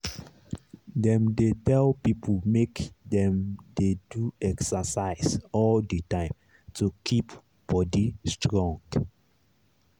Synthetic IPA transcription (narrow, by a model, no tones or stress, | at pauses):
dɛ̃mdetɛlpipʰəlmekdɛ̃mdeduɛksəsaɪsɔldətãɪ̃m | tukʰip | b̥ɔdistɹɔ̃ŋɡ